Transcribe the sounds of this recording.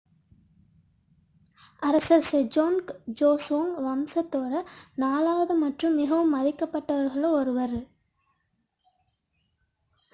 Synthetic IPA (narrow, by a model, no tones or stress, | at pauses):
ɐɾɐsɐɾsed͡ʒoːnkd͡ʒoːsoːŋʋɐmsɐt̪ːoːɽɐnaːlaːʋɐðɐmɐʈrɯmːɪɣɐʋɯmːɐðɪkːɐpːɐʈːɐʋɐɾɣɐɭɐɔɾɯʋɐɾɯ